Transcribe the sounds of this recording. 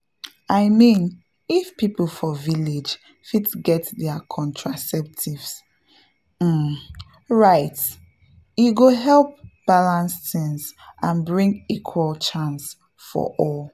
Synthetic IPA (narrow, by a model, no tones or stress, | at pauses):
aɪmĩn | ifpipl̩ˠfɔviled͡ʒ | fitɡɛtdɛakʰɔ̃ntʰɹasɛp̚tʰivs | m̩ | ɹaɪt | juɡoɦɛlˠp̚b̥alãnstĩŋzʔãnbɹĩŋɡikʰwəlt͡ʃãns | fɔ̰ʔɔl